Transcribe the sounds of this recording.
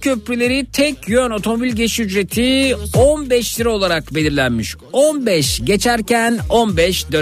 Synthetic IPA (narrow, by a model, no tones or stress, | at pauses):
cʰøpɾylʲe̞ɾit̪ʰɛcʰjønot̪ʰo̞mo̞bilʲɟet͡ʃiyd͡ʒɾe̞t̪ʰionbɛʃt̪ʰʲiɾɛo̞lˠaɾakbe̞lʲiɾlʲænmiʃ | onbɛʃɟe̞t͡ʃʰæɾcænonbɛʃd̪ø